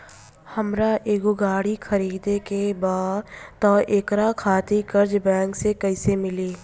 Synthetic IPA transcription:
hɐmɾaʔeːɡoɡaːɽikʰəɾiːd̪ekebaːt̪ɔːʔeːkɾakʰaːt̪ikɐɾd͡ʒbɛ̃ːŋksekɐɪsemɪliː

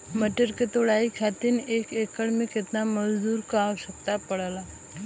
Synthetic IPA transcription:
məʈəɾket̪oɽaikʰat̪iːnekekəɽmiket̪naməzd̪uːɾkaʋsək̚t̪apəɽala

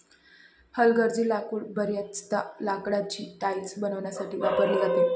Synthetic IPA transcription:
həlɡəɾd͡ziːlakuɽbəɾjat͡st̪alakɽat͡ɕiːt̪ait͡sbənəʋɳjasaʈiːʋapəɾliat̪i

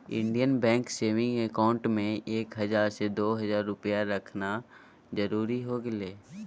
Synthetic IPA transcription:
ɪ̰̃ɳɖijənbɛ̃ːŋkseːʋɪ̃ŋɡekaːʊ̃ɳʈmẽeːkɦɐzaːɾsed̪oːɦɐzaːɾːʊpəjaɾɐkʰna | zɐɾuːɾiɦoːɡɪleː

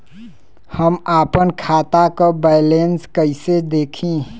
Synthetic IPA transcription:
həmaːpənkʰaːt̪akobaɪlenskəɪsed̪eːkʰĩ

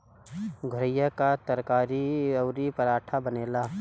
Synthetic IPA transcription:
ɡʱʊɾəjakat̪əɾkaːɾiɐʊɾipəɾaːʈʰabəneːlaː

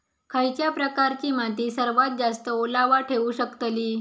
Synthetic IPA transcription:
kʰajt͡ɕjapɾəkaɾt͡ɕiːmat̪̬iːsəɾʋat̪̚d͡zast̪əolaʋaʈʰeʋuɕəkt̪liː

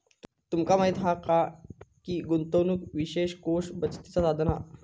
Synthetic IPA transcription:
t̪umkamaɦit̪ɦakakiɡunt̪ownukʋiɕeɕkoʂbət͡st̪it͡sasad̪ʱna

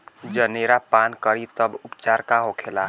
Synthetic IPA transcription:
d͡ʒəneɾapankəɾit̪əbupt͡ʃaɾkaɦokʰela

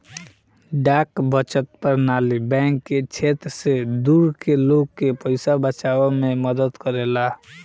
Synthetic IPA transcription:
ɖakbət͡ʃət̪̚pəɾnalibɛ̃ŋkːet͡ʃʰet̪ɾsed̪uɾkeloɡkːepəɪsabət͡ʃabememəd̪əd̪kəɾela

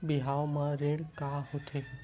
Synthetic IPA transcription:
biɦaomãɾẽɽkaɦot̪ʰe

